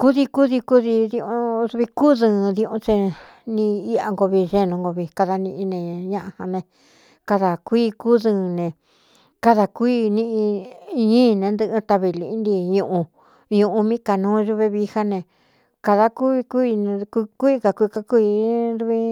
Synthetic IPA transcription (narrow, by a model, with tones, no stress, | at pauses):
ku˦ði˧ku˦ði˧ku˦ði˧ðĩ˧õ˧ðu˧βi˧ku˦ðɨ̃ː˧˨˧ðĩ˧õ˧t͡ʃe˧ | nĩ˧i˦a̰˧ŋɡo˧βi˧ʒe˧nũ˧ŋɡo˧βi˧ka˧ða˧nĩ˧ʔĩ˧nẽ˧ɲã˦ʔa˧ha˧nẽ˧ | ka˧ða˨kʷiː˦ku˦ðɨ˧˨nẽ˧˨ | ka˧ða˧kʷi˦nĩ˧ʔĩ˧ɲĩː˦˧nẽ˧˦nd̪ɨ˧ʔɨ˧t̪a˧βi˧li˧˨˦nd̪i˧ɲũ˧˨ʔũ˧ | ɲũ˧ʔũ˧mĩ˦ka˨nũː˦ʒu˧βe˧βi˧ha˦nẽ˧ | ka˧ða˧ku˦βi˧ku˦˧ñ˧kkʷu˦i˧ka˧kʷi˧ka˦ku˦i˧ɾu˧βi˧˦